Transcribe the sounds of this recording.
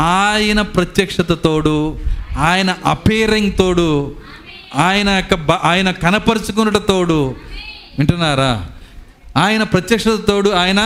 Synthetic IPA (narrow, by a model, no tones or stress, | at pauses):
aːjɐnɐpɾɐt̪jɐkʂɐt̪ɐt̪o̞ːɽuaːjɐnɐʔɐpeːɾiŋɡt̪o̞ːɽu | aːjɐnɐjɐkːɐbʔaːjɐnɐkɐnɐpɐɾt͡ʃuk̬unɐɽɐt̪o̞ːɽu | ʋeɳʈunːaːɾaː | aːjɐnɐpɾɐt̪jɐkʂɐt̪ɐt̪o̞ːɽuaːjɐnɐ